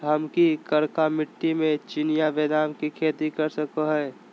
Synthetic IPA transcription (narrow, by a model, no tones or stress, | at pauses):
ɦəmkikəɾkamɪʈːimẽt͡ʃɪnijabed̪aːnkikʰeːt̪ikəɾsəkoɦɛː